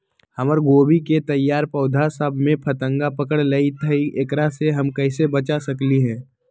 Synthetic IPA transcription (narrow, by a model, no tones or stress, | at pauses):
hɐməɾɡoːbiket̪ɐjːaːɾpɐʊd̪ʱasəbʱmẽpʰɐt̪ə̃ŋɡapəkəɽleit̪ʰəiʔekɾaseɦɐmkɐɪsebɐt͡ʃasɐkliɦɛ̃ː